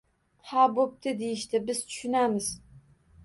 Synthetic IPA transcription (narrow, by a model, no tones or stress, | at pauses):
hɑbop̚t̪ʰɪd̪ejɪʃt̪ɪbɪz̥t̪ʰʊ̥ʃʊnamɪz